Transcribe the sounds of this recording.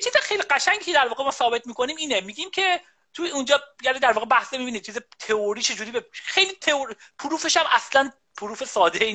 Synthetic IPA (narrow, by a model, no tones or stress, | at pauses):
t͡ʃʰiːzexejliɢæʃæŋɟiːcʰed̪æɾvɒːɣemɒːsɒːbe̞t̪̚ʰmiːkʰo̞niːmiːnemiːɡiːmcʰe̞ | t̪ʰuund͡ʒɒːjæɾid̪æɾvɒːɣebæhsemiːbiːnit͡ʃʰiːzet̪ʰeoɾiːt͡ʃʰe̞d͡ʒuːɾiːbexe̞jliːt̪ʰeoɾ | pʰuɾuːfe̞ʃæmæslæn | pʰuɾuːfesɒːd̪e